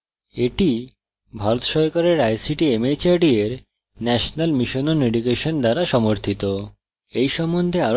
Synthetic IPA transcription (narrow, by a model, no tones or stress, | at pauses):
eʈi | bʱaɾot̪ʃɔɾkaɾeɾajsiʈiemet͡ɕaɾɖieɾ | nɛʃonalmiʃononeɖikeʃond̪aɾaʃɔmoɾt̪ʰit̪o | ejʃɔmːond̪ʱea